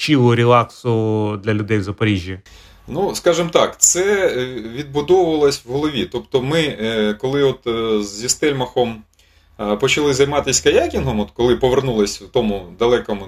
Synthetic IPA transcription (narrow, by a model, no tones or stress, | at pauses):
t͡ʃiʋʊɾʲɪlˠɑksʊd̪lʲɐlʲʊd̪ɛjwzɐpɐɾʲiʒʲji | nuskɑʒɪmt̪ɑkt̪sɛʋʲid̪̚bʊd̪ɔwʊʋɐlˠɔsʲwɦɔlˠɔʋʲit̪ɔpt̪ɔmɪkɔlˠɪɔt̪zːʲist̪ɛlʲmɐxɔm | pɔt͡ʃɐlˠɪzɐjmɑt̪ɪsʲkɐjakʲinɦɔmɔt̪kɔlˠɪpɔʋernulˠɪsʲwt̪ɔmʊd̪ɐlˠɛkɔmʊ